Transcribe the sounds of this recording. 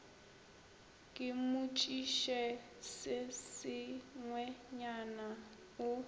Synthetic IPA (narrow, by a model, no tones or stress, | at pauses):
kʼɪmʊt͡ʃʼiʃɛ | sɪsɪŋwɛɲana | ʊ